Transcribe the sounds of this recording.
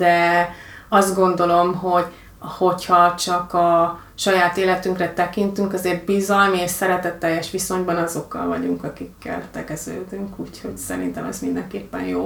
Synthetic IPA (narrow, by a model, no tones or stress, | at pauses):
d̪̥ɛ | ɒzd̪̚ɡo̞nd̪o̞lo̞mɦo̞ɟ | ho̞chɒt͡ʃɒkɒ | ʃɒjaːt̪eːlɛt̪yŋkrɛt̪ɛkint̪yŋkɒzeːrbizɒlmieːʃsɛɾɛt̪ɛt̪ːɛjːɛʃʋiso̞ɲbɒnɒzo̞kːɒ̰lvɒɟuŋkɒkikːɛ̰lt̪ɛkɛzø̰ːd̪yŋkuːcho̞ɟsɛɾḭnt̪ɛmɛ̰zmind̪ɛŋkeːpːɛ̰njoː